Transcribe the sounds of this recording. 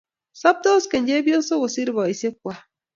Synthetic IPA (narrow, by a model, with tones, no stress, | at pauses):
sɔ˦p̚do˦ske˨ɲ˦d͡ʒe˦bjo˦n˦so˦wo˨si˦ɾi˨bɔ˨i˨se˦k̚ʷwa˦